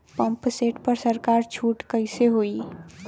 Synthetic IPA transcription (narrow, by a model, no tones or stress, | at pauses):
pɐ̃mpseːʈpɐɾsɐɾkaːɾt͡ʃʰuːʈkɐɪseɦoːi